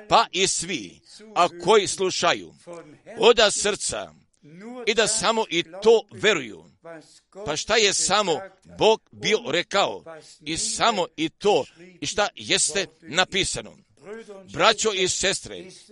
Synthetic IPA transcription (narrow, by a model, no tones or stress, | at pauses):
paʔisʋi | akʰo̞jisluʃajṵ | od̪asr̩t̪sa̰ | id̪asamo̞ʔit̪oːʋe̞ɾujṵ | paʃt̪aje̞samo | bo̞ːɡ̚bio̞ɾekao̰isamo̞it̪oːiʃt̪ajest̪enapiːsano̰ | bɾat͡ɕoise̞st̪ɾḛ